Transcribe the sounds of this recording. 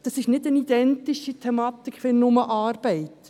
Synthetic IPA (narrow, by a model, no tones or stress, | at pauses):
d̥ɑsɪʃnɪdənid̥̪ɛnt̪iʃitʰɛmɑːt̪ikʰʋɪnnːʊməʔɑːɾb̥ɛɪt̪